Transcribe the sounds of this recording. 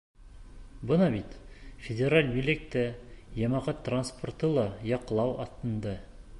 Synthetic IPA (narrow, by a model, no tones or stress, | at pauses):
bɤnɑbit̪fʲedʲeɾalʲmilʲek̚t̪ːæjɑmɑʁɑt̪ːransport̪ɤlˠɑjɑqlˠɑwɑ̰t̪ːɤ̆nd̪ɑ